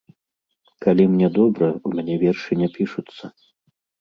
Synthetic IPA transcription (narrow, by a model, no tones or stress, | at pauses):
kalʲimnʲɛd̪ɔbɾɐumʲanʲɛvʲɛrʂɨnʲɛpʲiʂut̪sːɐ